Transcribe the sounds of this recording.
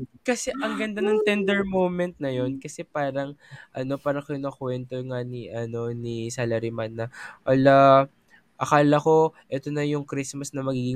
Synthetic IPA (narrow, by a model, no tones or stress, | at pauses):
kɐsɛʔɐŋɡɐnd̪anɐŋt̪ɛnd̪ɛɹmowmɛnt̪̚nɐjo̞nkɐsɛpaːɾɐŋʔɐno̞paːɾɐŋkɐjʊnɐkwɛnt̪oŋaniʔɐno̞nisalɐɾɪmanːɐʔɐla | ʔɐkaːlɐko̞ʔɛt̪o̞nɐjʊŋkɾismɐsnɐmɐɡiːɡɪŋ